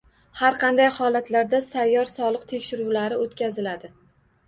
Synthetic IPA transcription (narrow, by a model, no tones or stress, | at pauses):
haɾqʰɑnd̪ajhɒlat̪ʰlaɾd̪asajːɒɾsɒlˠɨqt̪ʰe̞kʲʃɪɾuwlaɾɪot̪kʲazɪlad̪ɪ